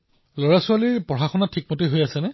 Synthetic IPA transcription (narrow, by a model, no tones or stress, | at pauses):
loɹasʊaliɹpɔɹaxɔnatʰik̚motiɦojasɛnɛ